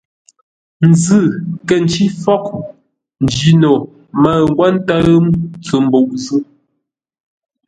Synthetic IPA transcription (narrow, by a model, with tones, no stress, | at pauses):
n̩˨zɨ˦˨kɛ˨n˨t͡ʃi˦fɔ˦k̚ | n̩˨d͡ʒi˨˦no˨ | ma˦˨ŋ̩˦ɡwa˦n˦ta˦mt͡sə˨m̩˦bo˨ʔzɨ˦